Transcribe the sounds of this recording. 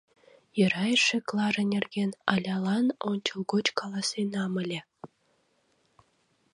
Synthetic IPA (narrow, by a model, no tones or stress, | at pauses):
jə̆ɾɑjʃĕklˠɑɾə̆nʲerɡʲenɑ̰lʲɑlɑnonʲt͡ɕolˠɡot͡ɕkɑlˠɑsenɑmə̆lʲĕ